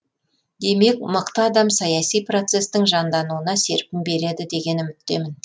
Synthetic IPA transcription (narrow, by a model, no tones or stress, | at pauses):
d̪̥e̞me̞kməqt̪əːd̪ɑmsɑjɑsijpro̞t̪se̞st̪ɪŋʒɑnd̪ɑnuənɑse̞ɾpɪmbe̞ɾe̞d̪ɪd̪e̞ɡʲe̞nʏmɪt̪ːe̞mɪn